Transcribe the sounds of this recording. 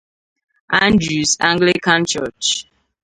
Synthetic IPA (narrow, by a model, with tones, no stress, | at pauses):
ã˦ndɹu˨sã̰˦ŋɡlikã˦nt͡ʃɔt͡ʃ